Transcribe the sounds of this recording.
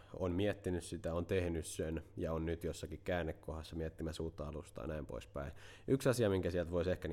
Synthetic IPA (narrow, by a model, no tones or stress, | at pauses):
o̰nmiɛt̪ːinyssit̪æont̪ehnyssenjɑonnyt̪josːɑkikkæːnːekkohɑsːɑmiɛt̪ːimæsuːt̪ːɑɑlust̪ɑ̰ːnæimpo̰ispæ̰i | ʔyksɑsiɑmiŋkæsiɛlt̪ʋoisehkæn